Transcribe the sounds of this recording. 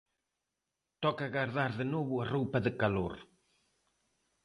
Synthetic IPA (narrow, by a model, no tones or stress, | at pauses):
t̪ɔkaɣaɾðaɾðənoβuɐrowpɐðəkaloɾ